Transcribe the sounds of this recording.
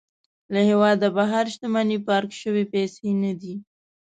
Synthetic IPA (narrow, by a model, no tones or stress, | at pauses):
lahewɑd̪abaɦaɾʃt̪amanipɑɾkʃəwepesenad̪i